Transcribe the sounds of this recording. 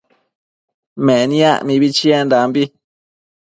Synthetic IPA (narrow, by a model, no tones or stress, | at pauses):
mẽʔnĩã̰ʔmĩβit͡ʃiend̪ambi